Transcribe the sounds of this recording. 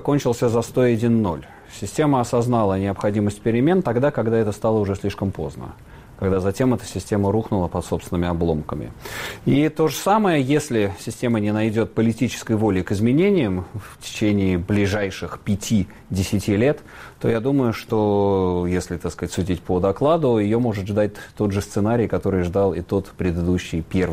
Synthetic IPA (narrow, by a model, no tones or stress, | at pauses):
konʲt͡ɕɪlˠsʲəzɐst̪o̞ɐdʲinːo̞̰lʲ | sʲɪsʲtʲe̞məɐsɐznalˠənʲɪɐpxɐdʲiməsʲt̚ʲpʲɪɾʲɪmʲe̞nt̪ɐɡd̪akɐɡd̪aɛt̪əst̪alˠəʊʐɛsʲlʲiʂkəmpo̞̰znə̰ | kɐɡd̪azɐtʲe̞mɛt̪ə̥sʲɪsʲtʲe̞məɾuxnʊlˠəpɐt̪so̞pst̪vɪnəmʲɪɐblˠo̞mkəmʲɪ̰it̪o̞ʐəsaməjəjesʲlʲɪsʲɪsʲtʲe̞mənʲɪnɐjdʲo̞t̪̚pəlʲɪtʲit͡ɕɪ̥skəjvo̞lʲɪjkɨzmʲɪnʲenʲɪjəmftʲɪ̥t͡ɕenʲɪːblʲɪʐajʂɨxpʲɪtʲʰi | dʲɪsʲɪtʲilʲe̞t̪ː | o̞̰jad̪uməjʊʂt̪o̞jesʲlʲɪt̪akskəzatʲsʊdʲitʲpəd̪ɐklˠad̪ʊjɪjo̞mo̞ʐɨt̪ʐd̪at̚ʲt̪o̞d̪ʐɨst̪sɨnaɾʲɪjkɐt̪o̞ɾɨjʐd̪alˠɪt̪o̞t̪pɾʲɪd̪ɨd̪uɕːɪjpʲe̞rv